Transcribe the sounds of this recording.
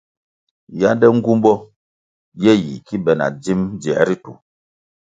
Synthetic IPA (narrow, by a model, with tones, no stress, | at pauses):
ja˦ndɛ˦ŋ̩˦ɡu˦mbɔ˦ | jɛ˦ji˨ki˦bɛ˨na̰˨d͡zi˦md͡zi˨ɛ̰˨˦ɾi˦tṵ˨